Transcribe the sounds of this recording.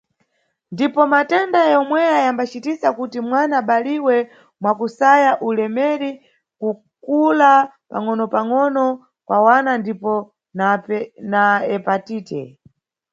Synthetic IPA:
ndipɔmatɛndajɔmwɛjajambat͡ʃitisakutimwanaɓaliwɛ | mwakusajaʔulɛmɛɾi | ku | kula | pa̰ŋɔnɔpaŋɔnɔ | kwʔawanandipɔ | nanaɛpatiːtɛ̰

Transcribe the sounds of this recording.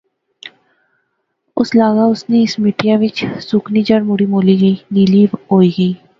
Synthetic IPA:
ʊslaːɡaʊsneɪsmɪʈjaʋɪt͡ʃsʊkʰnid͡ʒəɽmʊɽimoːliɡəiniliːʋɦoːiːɡəiː

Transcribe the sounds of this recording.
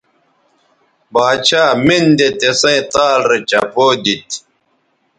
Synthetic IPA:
baːt͡ɕʰaːmind̪et̪esɐ̃ĩt̪aːlɾet͡ɕɐ̰poːd̪it̪

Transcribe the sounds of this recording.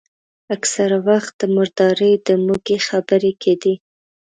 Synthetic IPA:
aksaɾawaxt̪̚d̪əmʊɾd̪ɑɾəjd̪əmuɡexabəɾekʰed̪i

